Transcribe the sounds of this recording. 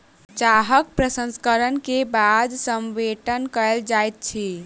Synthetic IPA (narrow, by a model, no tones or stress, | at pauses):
t͡ʃaɦək̚pɾəsə̃nskəɾənkebad̪səmʋeʈənkəld͡ʒajt̪̚t͡ʃʰi